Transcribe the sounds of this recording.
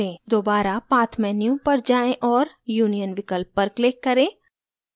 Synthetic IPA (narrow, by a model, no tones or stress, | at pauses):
ẽːd̪oːbaːɾapaːt̪ʰmɛ̃ːnijõpɐɾd͡ʒaːẽʔɔːɾ | juːnijənʋɪkəlpːɐɾkleːkːɐɾẽː